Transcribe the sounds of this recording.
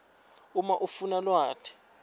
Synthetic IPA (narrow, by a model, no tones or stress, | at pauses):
umaʔufunalwaːtʰɛ̥